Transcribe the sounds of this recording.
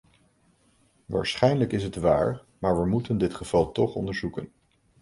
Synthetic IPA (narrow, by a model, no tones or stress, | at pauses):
ʋa̰ːɹsχɛjnləkɪsɦətʋa̰ːɹ | maːɹʋəmutəndɪtχəv̥ɑlˠtɔχɔ̰ndəɹzukən